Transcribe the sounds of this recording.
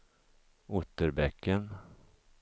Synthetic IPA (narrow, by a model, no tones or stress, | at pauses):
ʊt̪ːəɾbɛkːən